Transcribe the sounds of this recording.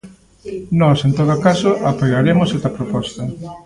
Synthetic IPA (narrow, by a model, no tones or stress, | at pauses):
nɔsent̪oðʊkasoʔapojɣaɾemʊsɛst̪ɐpɾopɔst̪ɐ